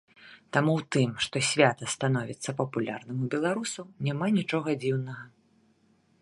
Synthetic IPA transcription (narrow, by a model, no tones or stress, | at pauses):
t̪amuwt̪ɨmʂt̪ɔsʲvʲat̪ɐst̪anɔvʲit̪sːɐpɐpulʲa̰rnɨmubʲɛlˠaɾusɐwnʲamanʲit͡ʂɔɣɐd͡zʲiwnɐɣɐ